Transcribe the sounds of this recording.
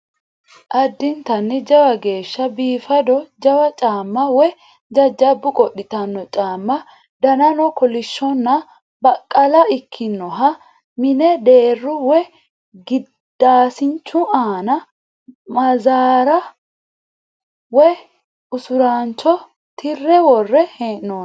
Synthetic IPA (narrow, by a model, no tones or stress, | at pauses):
ʔɐd̪ːɪnt̪ɐnːɪd͡ʒɐwɐɡe̞ːʃːɐbiːfɐd̪ɔd͡ʒɐwɐt͡ʃʼaːmːɐwɛ | d͡ʒɐd͡ʒːɐbːʊkʼɔɗːɪt̪ɐnːɔt͡ʃʼaːmːɐ | d̪ɐnɐnɔkɔlɪʃːɔnːɐ | bɐkʼːɐlɐɪkʰːɪnːɔɦɐ | mɪnɛd̪eːrːʊwɛ | ɡɪ | d̪̥aːsɪnt͡ʃːʊaːnɐ | mɐzaːɾɐ | wɛ | ʊsʊɾaːnt͡ʃːɔ | t̪ʰɪrːɛwɔrːɛheːʔnoː